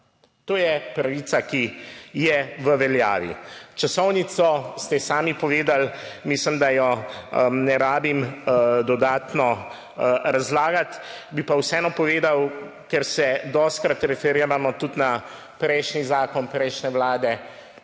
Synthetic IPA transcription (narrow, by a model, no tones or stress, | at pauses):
t̪oːjɛpɾaʋiːt̪sakijɛʋəʋɛlja̰ːʋḭt͡ʃasɔwnit̪sɔst̪ɛsaːmipɔʋeːd̪almislimd̪ajɔ | nɛɾaːbimd̪ɔd̪aːt̪nɔ | ɾazlaːɡat̪bipawsɛɛnɔpɔʋeːd̪aw | kɛɾsɛd̪ɔst̪̚kɾat̪ɾɛfɛɾiːɾamɔt̪ut̪na | pɾɛjʃnizaːkɔnpɾɛjʃnɛʋlaːd̪ɛ